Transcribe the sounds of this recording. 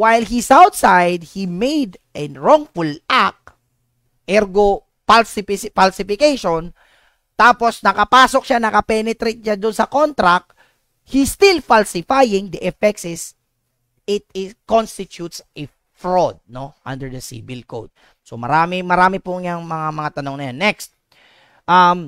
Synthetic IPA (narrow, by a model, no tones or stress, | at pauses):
wajlhisawt̪sajd̪̚himejd̪ʔɛnɹoŋfulak̚ | ʔɛɾɡo | palsɪpɪspalsɪfɪkejʃon | t̪aːposnɐkɐpaːsok̚ʃanɐkɐpɛnɛt̪ɾejt̪̚ɲad̪ʊnsɐkont̪ɾak̚ | hist̪ɪlfalsɪfajɪŋd̪ɐʔɛfɛk̚sɪs | ɪt̪ɪkonst̪ɪt͡ʃut̪sʔɛ | fɹod̪̚noʔã̰nd̪ɛɹd̪ɐsḭbɪlko̰wd̪̚ | somɐ̰ɾaːmɪmɐɾaːmɪpʊŋjaŋmɐŋamɐŋat̪ɐnoŋnɐjanːɛkst̪̚ | ʔam